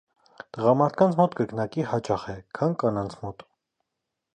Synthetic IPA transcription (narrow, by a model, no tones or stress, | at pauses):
t̪əʁɑmɑɾt̪ʰkɑnt͡sʰmɔt̪ɡəknɑkihɑt͡ʃɑχɛkʰɑnkɑnɑnt͡sʰmɔt̪